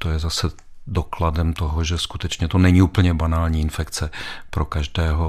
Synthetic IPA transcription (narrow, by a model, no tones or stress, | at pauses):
t̪ojɛzasɛ | dokladɛmt̪oɦoʒɛskut̪ɛt͡ʃɲɛt̪onɛɲiuːpl̩ɲɛbanaːlɲiːɪnfɛkt͡sɛpɾokaʒdɛːɦo